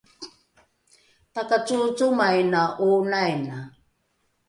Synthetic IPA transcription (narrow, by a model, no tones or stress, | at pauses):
takat͡sut͡sumajnaʔunajna